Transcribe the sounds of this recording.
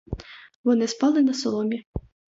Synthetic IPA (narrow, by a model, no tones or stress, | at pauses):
vɔnɨspalˠɨnɐsɔlˠɔmʲɛ